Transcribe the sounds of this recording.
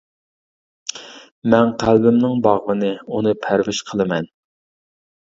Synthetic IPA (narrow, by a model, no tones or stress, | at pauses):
mɛnqʰælbɪmnɪŋbɑʁvɨnɨunɨpʰæɾvɪʃqʰəlˠɨmɛn